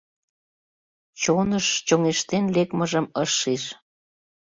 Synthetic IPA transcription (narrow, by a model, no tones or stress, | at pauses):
t͡ɕonəʃt͡ɕoŋeʃt̪enlekməʒəməʃːiʃ